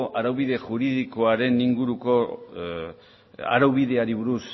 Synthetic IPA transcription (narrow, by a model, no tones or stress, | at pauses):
ʔaɾawβiðe̞ʝuɾiðiko̞aɾe̞niŋɡuɾuko̞ | a̰ɾawβiðe̞aɾiβuɾus